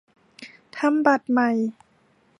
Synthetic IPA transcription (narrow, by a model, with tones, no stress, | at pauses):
t̪ʰa˧˥mba˨˩t̪̚ma˨˩j